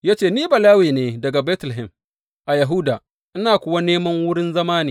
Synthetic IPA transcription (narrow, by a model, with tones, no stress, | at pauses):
jaː˦t͡ʃeː˦˨niː˦bɐ˨laː˦wiː˨neː˦dɐ˨ɡa˨bɛː˦tlɪ˨ɦɪ˨m | ʔa˨jɐ˨ɦʊ˦daː˨ | ʔɪ˦naː˨kʷʊ˦˨wa˦neː˦mɐ˦ŋwʊ˦ɽɪ˦nzɐ˦maː˦niː˨